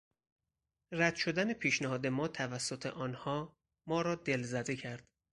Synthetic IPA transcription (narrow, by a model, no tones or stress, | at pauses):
ræd̪̥ʃo̞d̪æne̞pʰiːʃnæhɒːd̪emɒːt̪ʰævæsːo̞t̪ʰe̞̰ʔɒːnhɒː | mɒːɾɒːd̪e̞lzæd̪ekcʰæɾd̪̥